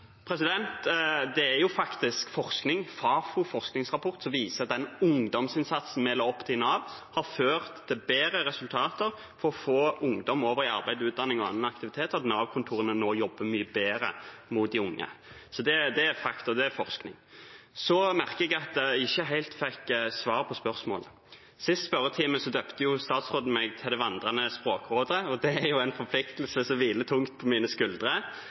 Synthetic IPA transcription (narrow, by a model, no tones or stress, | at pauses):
pʰɾɛsɪd̪ɛnt̪d̪ɛæɾjʊfɑkt̪ɪskfɔʁsknɪŋfɑːfufɔʁsknɪŋsʁɑpʰɔʁt̪sɔmʋiːsəɑt̪̚d̪ɛnʊŋd̪ɔmsɪnsɑt̪sn̩meːlːəɾɔpːt̪ʰɪlnɑːʋhɑɾføːʁt̪ʰːɪlbeːɾəɾɛsʉlt̪ʰɑːt̪əɾ | fɔɾɔfoːʊŋd̪ɔmoːʋəɾɪɑ̰ɾbæɪd̪ʉːt̪̚d̪ɑnːɪŋɔɑ̰nːənɑkt̪ɪʋɪt̪ʰeːt̪ɑt̪nɑːʋkʰʊnt̪ʰuːɾənənoːjɔbːəmyːəbeːɾə̰mʊt̪̚d̪ɪʊŋːə̰sɔd̪ɛd̪ɛæfɑkt̪ʊd̪ɛæfɔʁsknɪ̰ŋsɔmæʁkəɛɡɑt̪̚d̪ɛɪçːəɦæɪlt̪fɛksʋɑːʁpʰɔspœʁsmo̰ːlə | sɪst̪spœɾət̪ʰiːməsɔd̪øːpt̪əjʊst̪ɑːt̪sʁoːd̪n̩mɛɡt̪ʰɪld̪ɛʋɑnd̪ʁɑnəspʁoːkʁoːd̪əəɔd̪ɛæɾjʊæɪnfɔpʰlɪkt̪l̩səsɔʋiːlət̪ʰʊŋt̪pʰɔmiːnəskʉld̪ʁə